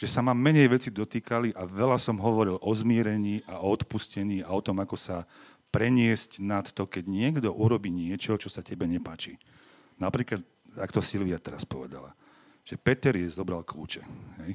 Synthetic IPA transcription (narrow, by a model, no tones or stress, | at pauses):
ʒ̥ɛsamamːɛɲɛjʋɛt͡sid̪ɔt̪iːkaliʔaʋɛlasɔmɦɔʋɔɾilʔɔzmɪɛɾɛɲiːʔaʔɔɔt̪puscɛɲiːaɔt̪ɔmakɔsa | pɾɛɲɪɛscnat̪ːɔkɛɟɲɪɛɡd̪ɔʔuɾɔbiːɲɪɛt͡ʃɔɦɔt͡ʃɔsacɛbɛɲɛpaːt͡ʃiː | napɾiːklat̪̚ | akt̪ɔsilʋiat̪ɛɾaspɔʋɛd̪a̰la̰ | ʒ̥ɛpɛt̪ɛɾjɛzɔbɾalklṵːt͡ʃɛɦɛj